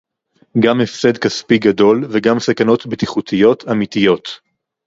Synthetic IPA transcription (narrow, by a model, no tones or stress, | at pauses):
ɡamefsed̪kaspiɡado̞lveɡamsakano̞t̪bet̪iχut̪ʰijo̞t̪ʰamit̪ijo̞t